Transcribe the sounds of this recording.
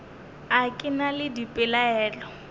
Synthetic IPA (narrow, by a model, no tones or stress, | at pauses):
akʼɪnalɪdipʼɪlaɛːt͡ɬɔ